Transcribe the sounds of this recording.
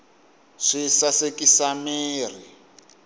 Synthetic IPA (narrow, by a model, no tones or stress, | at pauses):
ʂisasekisamiːr̤i